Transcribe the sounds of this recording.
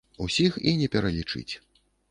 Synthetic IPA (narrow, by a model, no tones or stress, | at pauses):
usʲixinʲɛpʲɛɾɐlʲit͡ʂɨ̰t͡sʲ